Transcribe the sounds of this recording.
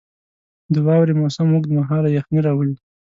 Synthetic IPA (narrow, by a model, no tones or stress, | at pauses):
d̪əwɑwɾemosamːuɡd̪əmaɦɑlajaxniɾɑwəlid̪